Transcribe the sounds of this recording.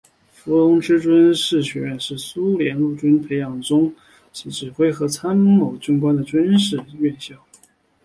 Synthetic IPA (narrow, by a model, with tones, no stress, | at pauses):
fu˧˥lʊ˧˥ŋʈ͡ʂɻ̩˥ʈ͡ʂwə˥nʂɻ̩˥˩ɕɥɛ˧˥ɥɛ˥˧nʂɻ̩˥˩su˥ljɛ˧˥nlu˥˩ʈ͡ʂwə˥npʰe˧˥ɪjɑ˨˩ŋʈ͡ʂʊ˥ŋ | t͡ɕʰi˧˥ʈ͡ʂɻ̩˨˩xwe˥ɪxɤ˧˥t͡sʰa˥nmo˨˩ʊt͡ɕy˥ŋkwa˥nd̪ə˨ʈ͡ʂwə˥nʂɻ̩˥˧ɥɛ˥˧nɕjɑ˥˩ʊ